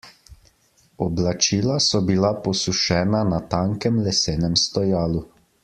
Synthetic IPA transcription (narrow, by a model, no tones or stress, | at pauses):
ɔblat͡ʃiːlasɔbilapɔsuʃɛːnanat̪aːŋkɛmlɛseːnɛmst̪ɔjaːlu